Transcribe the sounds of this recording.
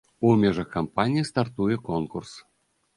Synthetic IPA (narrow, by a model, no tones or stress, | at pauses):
umʲɛʐɐxkampanʲijist̪art̪ujɛkɔnkurs